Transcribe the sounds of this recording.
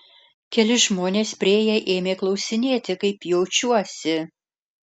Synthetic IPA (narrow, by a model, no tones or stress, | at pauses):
kʲɛlʲɪʒmoːnʲeːspʲɾʲɪeːjɛʔeːmʲeːklˠɐʊsʲɪnʲeːt̪ʲɪkɐɪpjɛʊt͡ʃʲuɔsʲɪ